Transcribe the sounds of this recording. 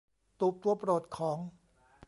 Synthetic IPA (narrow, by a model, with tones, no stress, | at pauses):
t̪uː˨˩p̚t̪u˨˩ɐpɾoː˨˩t̪̚kʰɔː˩˦ŋ